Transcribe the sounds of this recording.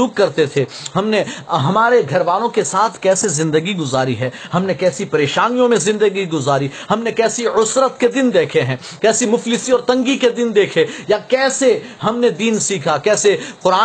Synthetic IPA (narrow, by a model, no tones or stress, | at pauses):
uːkːɐɾt̪et̪ʰe | ɦɐmneɦɐmaːɾeɡʱɐɾʋaːlõkesaːt̪ʰkɛːsezɪ̃nd̪əɡiɡʊzaːɾiɦɛː | hɐmnekɛːsipɐɾeːʃaːnijõmẽzɪ̃nd̪əɡiɡʊzaːɾihɐmnekɛːsiʊsɾət̪ked̪ɪnd̪eːkʰeɦɛ̃ː | kɛːsimʊflɪsiɔːɾt̪ɐ̃ŋɡiked̪ɪnd̪eːkʰejakɛːseɦɐmned̪iːnsiːkʰakɛːseqʊɾaː